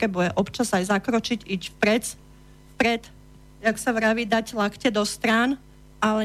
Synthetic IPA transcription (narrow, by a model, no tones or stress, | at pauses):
ɾɛbujɛʔɔpt͡ʃazajzakɾɔt͡ʃiɟicfpɾɛt͡s | fpɾɛt̪ | jaksaʋɾaʋid̪aclakcɛd̪ɔst̪ɾaːn | alɛ